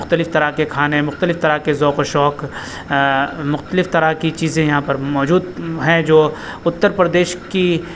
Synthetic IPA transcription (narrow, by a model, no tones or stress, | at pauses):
ʊxt̪əlɪft̪ɐɾakekʰaːnemʊxt̪əlɪft̪ɐɾakezɔːkoʃɔːk | mʊxt̪əlɪft̪ɐɾakit͡ʃiːzẽjɐɦãpɐɾmɔːd͡ʒuːd̪ɦɛ̃d͡ʒoː | ʊt̪ːəɾpɾd̪eːʃki